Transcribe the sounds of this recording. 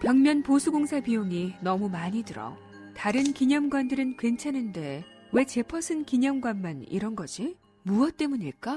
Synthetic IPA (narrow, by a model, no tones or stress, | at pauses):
pjʌŋmjʌnposʰuɡoŋsʰapijoŋinʌmumaɲidɯɾʌ̰ | taɾɯnkiɲʌmɡwandɯɾɯnkwe̞nt͡ɕʰanɯnde̞ | we̞t͡ɕe̞pʰʌsʰɯnkiɲʌmɡwanmanḭɾʌnɡʌd͡ʑi | muʌt̚t͈e̞muɲiɭk͈a